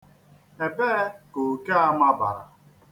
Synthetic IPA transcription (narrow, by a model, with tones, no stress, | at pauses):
e˨be˦ko˨ke˦a˦ma˦ba̰˨ɾa̰˨